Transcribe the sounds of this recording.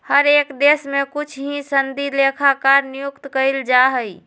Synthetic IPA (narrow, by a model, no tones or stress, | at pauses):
həɾekd̪esmẽkut͡ʃʰɦĩsənd̪ilekʰakaɾnijʊkt̪kəld͡ʒaɦəi